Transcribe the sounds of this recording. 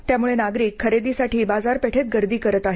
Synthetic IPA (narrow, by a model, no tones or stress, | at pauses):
t̪jamuɭenaɡɾiːkʰːəɾed̪isaʈʰiːbad͡zaɾpeʈʰet̪̚ɡəɾd̪iːkəɾət̪aɦe